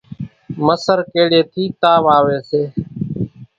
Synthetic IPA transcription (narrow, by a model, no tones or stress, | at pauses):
məsəɾkeːɽeːt̪ʰiːt̪aːʋaːʋeːseː